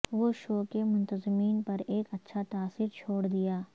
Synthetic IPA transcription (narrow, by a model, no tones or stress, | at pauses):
ʋoːʃoːkemʊ̃nt̪əzɪmiːnpɐɾeːkɐtːʃʰat̪aːsiːɾt͡ʃʰoːɽd̪ijaː